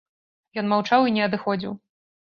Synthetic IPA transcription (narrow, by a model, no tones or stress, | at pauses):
jɔnmawt͡ʂawinʲɛɐd̪ɨxɔd͡zʲiw